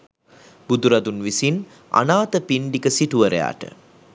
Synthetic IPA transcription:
b̥ud̪uɾɐd̪unʋisin | a̰naːt̪əpiɳɖikəsiʈuʋəɾḛja̰ːʈə̰

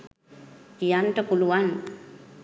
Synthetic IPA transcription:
kijant̪əkuluan

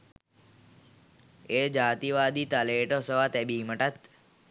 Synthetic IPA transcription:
eːd͡ʒaːt̪iʋaːd̪it̪aleːʈosəʋat̪ɛbiːməʈat̪

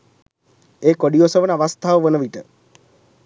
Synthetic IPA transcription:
eːkoɖijosəʋənaʋast̪ʰaʋəʋənəʋiʈə

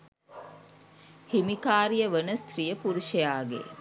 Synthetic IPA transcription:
himikaːɾijəʋənəst̪rijəpuɾuʃejaːɡḛ

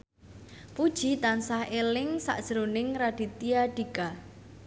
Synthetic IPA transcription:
pud̥ʒ̥i̤t̪ansahelɪŋsa̰ʔd̥ʒ̥əɾonɪŋɾad̥i̤t̪iaɖ̥i̤ɡa

